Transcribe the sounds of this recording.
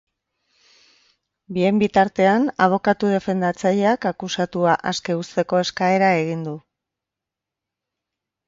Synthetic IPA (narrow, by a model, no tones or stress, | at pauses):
bie̞mbit̪aɾt̪e̞anaβ̞o̞kat̪uð̞e̞fe̞nd̪at͡saʎe̞akakusat̪uaʔaske̞ust̪e̞ko̞e̞skae̞ɾae̞ɣ̞ind̪u